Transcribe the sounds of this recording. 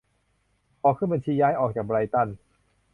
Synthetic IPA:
ʔɔː˨˩kʰːɯ˥˩˨ba˧nt͡ɕʰiː˧jaː˦˥jʔɔː˨˩k̚t͡ɕaː˨˩bɾa˧jt̪a˥˩n

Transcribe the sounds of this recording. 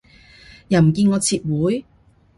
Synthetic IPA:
jaː˨˩m̩˨˩kiː˧nŋɔː˨˧t͡sʰiː˧t̚wuː˨˥j

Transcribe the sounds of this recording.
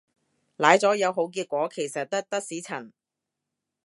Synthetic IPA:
laː˨˥jt͡sɔː˨˥jɐ˨˧wɦo˨˥wk̬iː˧t̚kʷɔː˨˥kʰe˨˩jsɐ˨t̚t̪ɐ˥k̚t̪ɐ˥k̚siː˨˥t͡sʰɐ˨˩n

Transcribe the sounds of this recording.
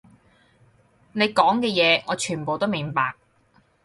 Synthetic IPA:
ne˨˧jkɔː˨˥ŋkɛː˧jɛː˨˧ɔː˨˧t͡ʃʰyː˨˩npo˨wt̪o˥wmɪ˨˩ŋpaː˨k̚

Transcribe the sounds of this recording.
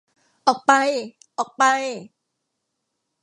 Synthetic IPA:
ʔɔː˨˩k̚pa˧j | ʔɔː˨˩k̚pa˧j

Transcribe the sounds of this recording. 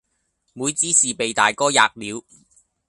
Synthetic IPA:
muː˨˧jt͡siː˥siː˨pe˨jt̪a̰ː˨jkɔː˥ja̰ː˧k̚liː˨˧˥w

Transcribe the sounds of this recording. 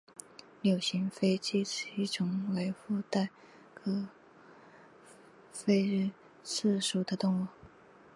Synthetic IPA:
ljo˨˩ʊɕi˧˥ŋfe˥ɪt͡ɕi˥˧ʈ͡ʂ̩˧˥i˥˩ʈ͡ʂʰʊ˧˥ŋwe˧˥ɪfu˥˧t̪a˥˩ɪ | kʰɤ˥ | fe˥˧ɪɻ̩˥˩ | t͡sʰɹ̩˥˩ʂu˨˩d̪ə˦t̪ʊ˥˧ŋu˥˩

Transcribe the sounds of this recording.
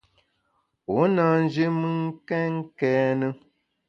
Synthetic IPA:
o˨˦na˦n̩˦d͡ʒi˦mɨ˦ŋ˦kɛ˦ŋ˦kɛ˦nə˦

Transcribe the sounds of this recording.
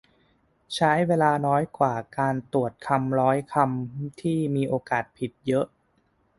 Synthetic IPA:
t͡ɕʰa˦˥jweː˧laː˧nɔː˦˥jkwaː˨˩kaː˧nt̪u˨˩ət̪̚kʰa˧mɾɔː˦˥jkʰa˧mt̪ʰiː˥˩miː˧ʔoː˧kaː˨˩t̪̚pʰi˨˩t̪̚jɤ˦˥ʔ

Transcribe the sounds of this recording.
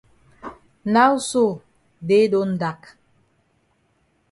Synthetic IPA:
na˦u˦so˦˨ | de˦do˦n̩˦˨da˨k

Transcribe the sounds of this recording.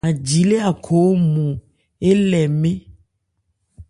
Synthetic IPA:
a˨d͡ʒi˨le˦a˨kʰo˨wo˦mũ˨ | e˦lɛ˨mẽ˦

